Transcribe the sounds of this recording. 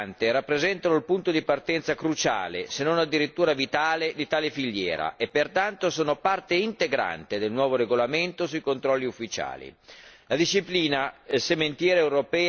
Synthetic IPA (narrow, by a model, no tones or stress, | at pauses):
nt̪eɾapːɾezɛnt̪anoilpunt̪od̪ipart̪ɛnt̪sakɾut͡ʃa̰ːlḛsenːonad̪ːiɾit̪ːuːɾavit̪aːled̪it̪aːlefiʎːjɛ̰ːɾa̰ʔepːert̪ant̪osoːnopart̪eint̪eɡɾa̰nt̪ed̪elnwɔːvoɾeɡolament̪osuikont̪ɾɔlːiufːit͡ʃa̰ːlḭlad̪iʃːipliːnasement̪jɛːɾeewɾopɛː